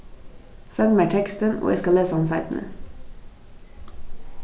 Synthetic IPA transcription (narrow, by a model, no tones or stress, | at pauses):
sœŋmæʈʰɛkst̪ənʔo̰ːʔḛːskɑleːsɑnsɑɪt̪n̩ʔə̰